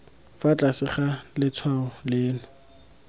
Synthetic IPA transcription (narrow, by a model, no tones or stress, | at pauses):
fat͡ɬʼasɪχalɪt͡sʰwaɔlɪːnʊ